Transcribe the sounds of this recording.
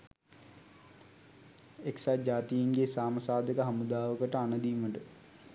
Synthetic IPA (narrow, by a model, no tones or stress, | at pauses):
eksad͡ʒaːt̪ijiŋɡesaːməsaːd̪əkəɦɐmud̪aːʋəkəʈəanəd̪iːməɖə